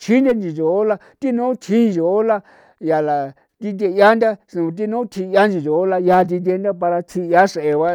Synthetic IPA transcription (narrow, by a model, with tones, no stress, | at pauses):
t͡ʃʰi˦nd̪e˦˧nd͡ʒĩ˨ʒo˨o˦la˧ | t̪i˦nõ˦t̪ʰĩ˦˧ʒo˨o˦la˧ | ja˨la˨ | t̪i˧t̪̬ʲe˧ja˦nd̪ʲa˦sũ˨˧t̪̬i˦nõ˦t̪ʰi˧ja˦nd͡ʒĩ˨ʒo˨o˦la˧ja˧t̪̬i˧t̪̬ʲe˧˦nd̪ʲa˦pa˧ɾa˧t̪ʰi˧ja˦ʂe˨ʔe˧βa˧